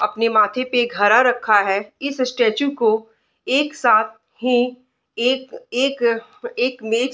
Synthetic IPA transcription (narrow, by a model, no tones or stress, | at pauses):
ɐpnemaːt̪ʰepeɡʱɐɾaɾɐkʰːaɦɛɪssʈeːt͡ʃuko | eːksaːt̪̚ʰ | hĩ | eːkeːk | eːkmeːt͡ʃ